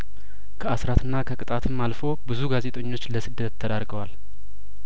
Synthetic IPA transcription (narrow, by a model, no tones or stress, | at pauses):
kʰəasɾat̪ɨnːakʰəkʼɨt̪ʼat̪ʰɨmːalfo̞bɨzuɡaze̞t̪ʼəɲːo̞t͡ʃːləsɨd̪ːət̪ʰːəd̪aɾɡəwal